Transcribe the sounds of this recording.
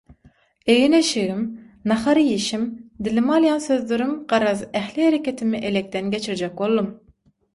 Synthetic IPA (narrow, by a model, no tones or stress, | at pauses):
ejinɛʃɪɣɪm | nɑχɑɾjeʃimd̪ɪlɪmɑlˠijɑnsøzlyɾymqɑɾɑzɛhlɪhɛɾɛkʲɛt̪ʰɪmɪʔelɛk̚ʲt̪ɛnɡʲɛt͡ʃʰɪɾɪd͡ʒɛk̚bolˠd̪um